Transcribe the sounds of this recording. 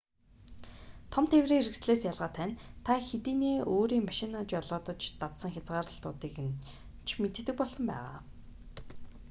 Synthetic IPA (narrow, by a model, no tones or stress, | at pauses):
t̪ʰɔmt̪ʰewreːŋiɾɘ̆ksɮeːsjaɮʁaːt̪ʰænt̪ʰaxet̪iːneːoːɾiːŋmaʃɪnat͡ɕjɔɮʊːt̪ə̆t͡ɕt̪at̪sə̆ŋxʲat͡sʁaːɾə̆ɬt̪ʊ̰ːt̪iːkn | t͡ɕʰmet̪ɘ̆t̪ɘ̆k̚pɔɮsɞ̆mpæ̰ːʁa̰ː